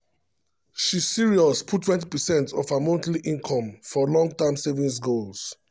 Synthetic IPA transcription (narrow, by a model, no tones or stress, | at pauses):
ʃisiɹiɔspʰutʰːwɛ̃nt̬ipəsɛ̃ntʰɔvhamõntliʔĩŋkʰɔ̃mfɔlɔ̃ŋɡ̚tãmsevĩns̬ɡols